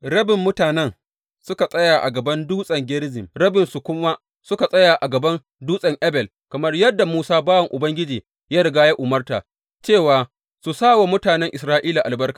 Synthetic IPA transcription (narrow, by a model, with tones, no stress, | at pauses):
ɾɐ˦bɪ˨mːʊ˦taː˨nɛ˦n | sʊ˦ka˨sʼɐ˦jaː˨ʔa̰˨ɡɐ˨bɐ˦nduː˦sʼɐ˨ŋɡʲɪ˦ɾzɪ˨mɾɐ˦bɪ˨nsu˨kʷʊ˦ma˦ | sʊ˦ka˨sʼɐ˦jaː˨ʔa˨ɡɐ˨bɐ˦n | duː˦sʼɐ˨ŋʔɛ˦bɛ˨l | kɐ˨mɐ˦rjɐ˦dːa˨muː˦saː˦baː˦wɐ˨ŋʔʊ˨bɐ˦ŋɡʲɪ˦d͡ʒiː˨ | jaː˦ɾɪ˨ɡaː˦ja˦ʔʊ˨mɐ˦rta̰ː˨ | t͡ʃeː˦˨waː˨ | su˨saː˦˨wa˨mʊ˦taː˨nɛ˦ŋʔɪ˨sɾaː˦ʔiː˦laː˨ʔa˨lbɐ˦rkḁ˨